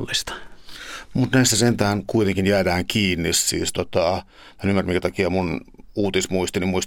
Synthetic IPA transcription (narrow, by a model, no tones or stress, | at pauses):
lːist̪ɑ̥ | mut̪næist̪æsent̪æhːnkuit̪eŋkinjæːdæːŋkiːnːissḭːst̪ot̪ɑ | ænymːærmiŋkæt̪ɑkiɑmunuːt̪ismuist̪inimmuist̪